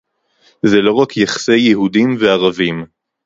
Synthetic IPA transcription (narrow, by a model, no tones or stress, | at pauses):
zelo̞ʁakʰjaχḁse̞jeɦudimveaʁavim